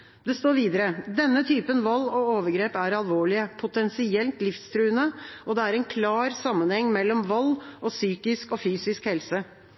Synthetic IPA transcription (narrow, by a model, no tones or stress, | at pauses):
d̪ɛst̪oːɾʋiːd̪əɾəd̪ɛnːət̪ʰyːpənʋɔlːɔoːʋəɾɡɾeːpæɾɑlʋoːɭɪəpʰʊt̪ʰɛnsɪɛlt̪lɪfst̪ʰɾʉːənəʔɔd̪ɛæɾɛnkʰlɑːɾsɑmːənhɛŋːmɛlːɔmʋɔlːʔɔsyːkɪskɔfyːsɪskhɛlsə